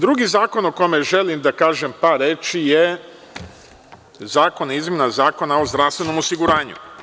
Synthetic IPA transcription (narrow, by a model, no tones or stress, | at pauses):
d̪ɾuɡizaːko̞noko̞me̞ʒe̞limd̪akaːʒe̞mpaɾet͡ʃije | zaːko̞nizmʲe̞nazaːko̞nao̞zd̪ɾaʋst̪ʋe̞no̞mosiɡuɾaːɲṵ